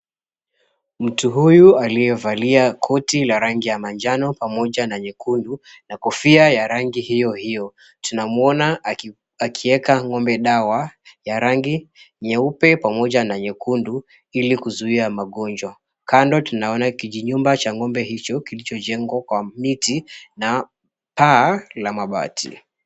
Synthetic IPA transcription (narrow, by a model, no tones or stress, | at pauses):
m̩tuɦujualijɛvaliakʰɔtilaɾaŋɡijamand͡ʒanɔpamɔʄanaɲɛkundu | nakɔfiajaɾaŋɡihijɔhijɔ | tunamɔna | akʰiɛkaŋɔmbɛɗawajaɾaŋɡi | ɲɛupɛpamɔʄanaɲɛkundu | ilikuzuiamaɠɔnd͡ʒwa | kandɔtunaɔnakiʄiɲumbat͡ʃaŋɔmbɛɦit͡ʃɔkilit͡ʃɔʄɛŋɡwakwamitina | paːlamaɓa̰tʰḭ